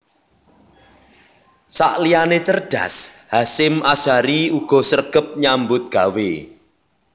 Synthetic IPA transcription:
sa̰ʔlianet͡ʃərɖ̥a̰shasɪmasaɾiuɡ̥ɔ̤sərɡ̥ə̤p̚ɲambʊt̪̚ɡ̥a̤wḛ

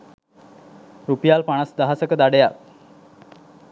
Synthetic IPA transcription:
ɾupijalpaɳ̃asd̪əɦasəkəd̪aɽəjak

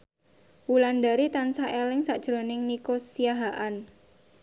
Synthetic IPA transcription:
wulandaɾit̪ansaʔelɪŋsaʔd̥ʒ̥ɾonɪŋnikosiaɦaʔan

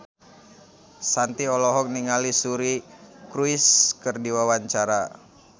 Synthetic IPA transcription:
sant̪iɔlɔɦɔk̚niŋalisuɾikɾuiskərdiwawaɲt͡ʃaɾa

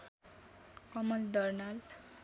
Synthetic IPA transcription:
kʌmʌld̪ʌrnal

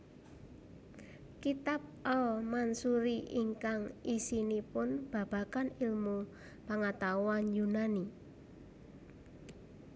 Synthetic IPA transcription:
kit̪ap̚ʔɔmansuɾiʔiŋkaŋisinipʊnb̥ä̤b̥a̤kanɪlmu | paŋat̪awanjunani

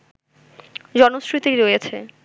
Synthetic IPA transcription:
d͡ʑɔnosɾit̪iɾojet͡ɕʰe

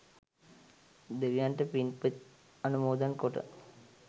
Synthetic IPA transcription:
d̪eʋijaːnʈɐpinpɨt | ɐnumoːd̪ɐnkoʈɨ̰

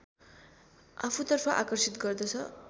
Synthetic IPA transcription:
apʰut̪ʌrpʰʌʔakʌrsit̪ɡʌrd̪ʌt͡sʰʌ

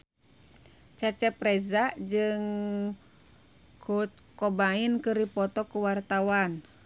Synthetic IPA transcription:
t͡ʃat͡ʃɛpɾɛzad͡ʒɨŋ | kukɔbainkɨripɔt̪ɔkuwart̪awan

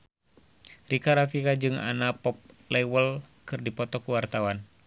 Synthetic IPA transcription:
rikaɾafikad͡ʒɨŋa̰napɔp̚ | lɛwəlkɨrdipɔt̪ɔkuwart̪awan

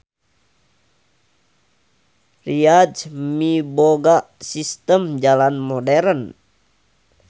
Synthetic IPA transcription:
riad͡ʒmiboɡaʔsist̪əmd͡ʒalanmɔdɛɾən

